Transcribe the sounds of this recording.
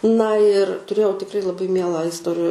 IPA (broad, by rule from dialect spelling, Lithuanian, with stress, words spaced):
nɐ ɪr tʊˈrʲeːjɛʊ tʲɪkˈrɐɪ lˠɐˈbɐɪ ˈmʲiɛlˠɑː ɪsˈtoːrʲɪ